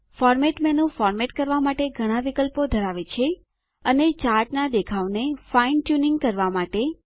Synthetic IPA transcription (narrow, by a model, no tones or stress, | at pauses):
fɔɾmɛʈmɛnũfɔɾmɛʈkəɾʋamaʈeɡʱəɽ̃ãʋikəlpod̪ʱəɾaʋet͡ʃʰe | ənet͡ʃaɾʈnad̪ekʰaʋnefainʈjunɪŋɡkəɾʋamaʈe